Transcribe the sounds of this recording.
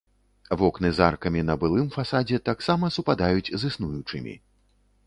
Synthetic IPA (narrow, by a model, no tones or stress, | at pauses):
vɔknɨzarkɐmʲin̪ɐbɨlˠɨmfasad͡zʲɛt̪aksamɐsupad̪ajut͡sʲzɨsnujut͡ʂɨmʲḭ